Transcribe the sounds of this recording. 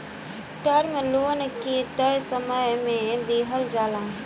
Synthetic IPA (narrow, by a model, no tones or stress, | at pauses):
ʈəɾmẽloːnkit̪əjsəməjmẽd̪iːɦəld͡ʒaːlãː